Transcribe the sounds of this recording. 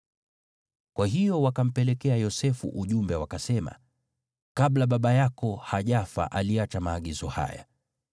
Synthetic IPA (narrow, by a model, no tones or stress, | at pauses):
kwaɦijɔwakam̩pɛlɛkɛajɔsɛfṵʔuʄumbɛwakasɛma̰ | kaɓlaɓaɓajakɔhaʄafa̰ʔaliat͡ʃamaːɡizɔha̰ja̰